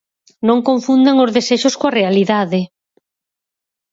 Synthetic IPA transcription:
nõŋkõɱfund̪eŋozðeseʃʊskoɐrealiðaðɪ

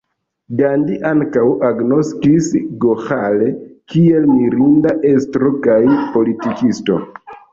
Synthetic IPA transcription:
ɡandiʔaŋkawʔaɡno̞skisɡoxalekie̞lmiɾindaʔe̞stɾo̞kajpo̞litikisto̞̰

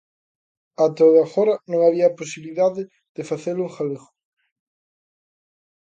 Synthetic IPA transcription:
at̪oðaxɔɾɐnõŋaβiɐposiβliðaðɪ | ð̥ɪfaθeluŋxaβexʊ̥

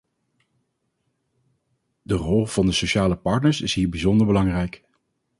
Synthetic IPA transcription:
dərɔlˠv̥ɑndəsoʃaːləpɑɹtnəɹsɪsɦiːɹbizɔndəɹbəlɑŋrɛjk

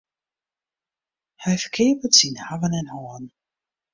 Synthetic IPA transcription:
hɛjfəkʰɪːpətsinhaʋənɛnhɔːən

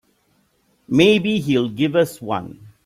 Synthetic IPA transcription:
meːbiɦilɡɪʋʌswʌ̰̃n

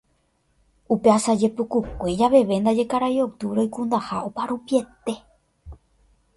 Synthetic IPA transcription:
upe̞asad͡ʒe̞pukukʷe̞d͡ʒaʋe̞ʋe̞nd̪ad͡ʒe̞kaɾajo̞wt̪ɨɾojkũnd̪ahaopaɾupie̞t̪e̞

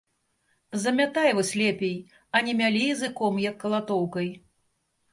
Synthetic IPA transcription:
zɐmʲat̪ajɛvɔsʲlʲɛpʲej | ɐnʲɛmʲalʲijizɨkɔmjɐkːɐlˠat̪ɔwkɐj

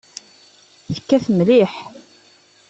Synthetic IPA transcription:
θə̥kːæθmliħ

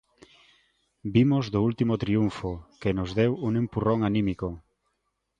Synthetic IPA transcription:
bimozðoult̪imot̪ɾiuɱfokenʊzðewuŋempuroŋanĩmiko

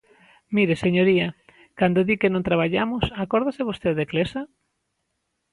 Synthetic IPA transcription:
miɾeseɲoɾia | kand̪oðikenõnt̪ɾaβ̞aʎamʊsakɔɾðaseβ̞ost̪eðeklesa

